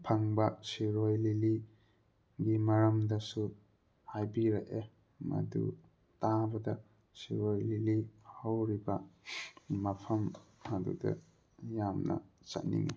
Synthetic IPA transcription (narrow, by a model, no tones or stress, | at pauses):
pʰaŋbasiɾojlili | ɡimaɾamdasu | hajbiɾaʔe | ma̰dṵ | tabɐda | siɾojlilihawɾiba | mapʰammadṵdɐ̰ | jamna̰t͡ʃa̰nḭŋe